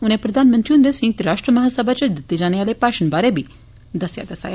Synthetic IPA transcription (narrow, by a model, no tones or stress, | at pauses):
uñẽpɾəd̪ʱaːnmənt̪ɾiũnd̪esĩŋɡ̚t̪ɾaʂʈɾəmɐɦasəbʱat͡ʃed̪ət̪ːid͡ʒanjalepaːʃənbaɾebʱi | d̪ɐsja̰d̪ɐsa̰ːj